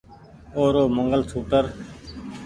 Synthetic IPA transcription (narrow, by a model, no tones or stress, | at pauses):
oːɾoːməŋɡəlt̪ʰuːʈəɾ